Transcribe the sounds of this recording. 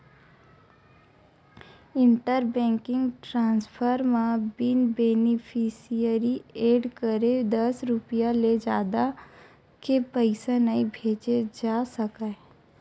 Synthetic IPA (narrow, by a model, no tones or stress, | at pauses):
ɪ̃ɳʈəɾbɛ̃ːŋkɪ̃ŋɡʈɾãːnspʰəɾmãbɪnbeːnɪpʰisijəɾieːɖkəɾed̪əsɾʊpijaled͡ʒa̰ːd̪a | kepəɪsenəibʱeːt͡ʃed͡ʒaːsəka